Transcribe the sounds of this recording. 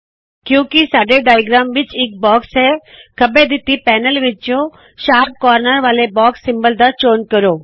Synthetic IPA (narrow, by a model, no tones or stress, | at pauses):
kjõːkisaːɖeɖaːjɡɾaːmʋɪt͡ʃɪk̚bɔːksɛkʰɐbed̪ɪt̪ipɛːnəlʋɪt͡ʃjõ | ʃaːp̚kɔːɾnəɾʋaːlebɔːksːɪ̃mbəld̪at͡ʃoːnkɐɾoː